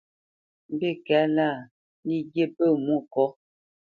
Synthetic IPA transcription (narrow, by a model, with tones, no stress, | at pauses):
m˦bi˦˨kɛ˨˦la˦˨ | li˦ɡe˦˨pə˦˨mu˦˨kɔ˨˦